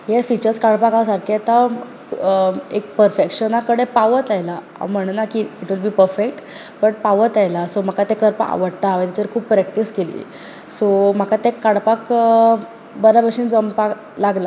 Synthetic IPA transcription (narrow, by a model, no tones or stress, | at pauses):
jefit͡ɕəɾskaɽpakasaɾkʰet̪a | ek̚pəɾfekɕənakəɽepaʋət̪ajla | a̰m̤əɽ̃nakiːʈʋilbiːpəɾfekʈ | bəʈ̚paʋət̪ajlasom̤akat̪ẽkəɾpa̰a̰ʋəɽt̪aʋət̪at͡ɕəɾkʰuːppɾɛk̚ʈiskelḭː | som̤akat̪ẽkaɽpak | bəɾabəɕind͡zəmpa | laɡla